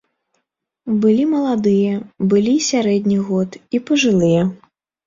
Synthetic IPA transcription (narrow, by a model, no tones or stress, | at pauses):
bɨlʲimɐlˠad̪ɨjɐbɨlʲisʲaɾɛd̪ʲnʲiɣɔt̪ipɐʐɨlˠɨjɛ